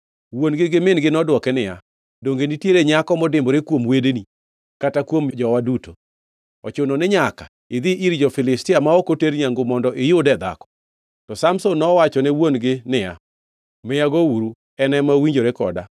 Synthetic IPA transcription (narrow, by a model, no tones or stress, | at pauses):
wonɡɪɡɪmɪnɡɪnɔdwɔkɛnɪja̰ | doŋɡenitjeɾeɲakɔmɔdɪmboɾekwomwedeni | katakwomd͡ʒɔwaduto | ɔ̰t͡ʃʊnɔnɪɲaka | ɪd̪ɪʔiɾd͡ʒɔfɪlɪstɪamaɔkoteɾɲaŋɡomɔndɔʔɪjodɛd̪a̰kɔ̥ | tɔsamsonːɔwat͡ʃɔnɛwonɡɪnɪja̰ | mɪjaɡouɾu | ɛnɛmawiɲd͡ʒoɾekɔ̰da̰